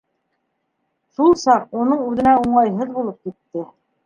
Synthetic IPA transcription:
ʃulˠsɑqunɤɴʉðɘ̆næuɴɑjɦɤðbulˠɤp̚kit̪ːɘ

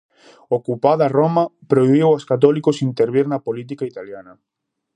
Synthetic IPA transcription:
okupaðɐromɐpɾoiβiwaskat̪̬ɔlikosint̪eɾβ̞iɾnɐpolit̪̬ikait̪aljanɐ

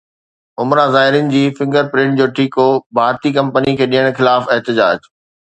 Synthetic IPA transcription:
ʊmɾãzaːɦɪɾɪnɪ̆d͡ʑiːfɪ̃ŋɡəɾpɾɪ̃ɳʈ̚d͡ʑoːʈʰiːkobʱaːɾt̪ikɐ̃mpənikʰeːɗĩjəɽ̃xɪlaːfɪɦt̪ɪd͡ʑa̰ːd͡ʑ

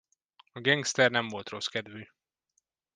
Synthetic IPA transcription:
ɒɡɛŋɡst̪ɛrnɛɱvo̞lt̪ro̞skɛd̪vyː

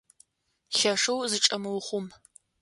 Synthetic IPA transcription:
ɬɐʂɨwzɨʈ͡ʂʼɐmɨwχʷʊm

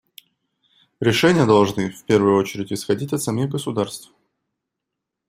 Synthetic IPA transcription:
ɾʲɪʂɛnʲɪjəd̪ɐlˠʐnɨfpʲervʊjʊo̞t͡ɕɪɾʲɪtʲɪsxɐdʲitʲɐt̪sɐmʲiɣɡəsʊd̪arst̪f

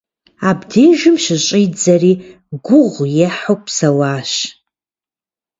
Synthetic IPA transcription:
abdejʒɪmʃɪɕʼijd͡zari | ɡʷʊʁʷjeħowpʼʰsawaːʃ

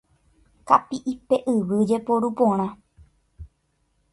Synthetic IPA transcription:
kapiʔipe̞ʔɨʋɨd͡ʒe̞poɾupõɾ̃ã

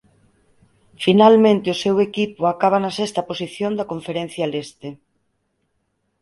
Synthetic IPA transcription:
finalmẽnt̪eʊsewekipoakaβ̞anɐsest̪ɐposiθjond̪ɐkoɱfeɾen̟θjalest̪e

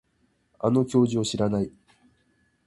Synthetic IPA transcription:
a̰no̞kʲo̞ːʑio̞ɕiɾanai

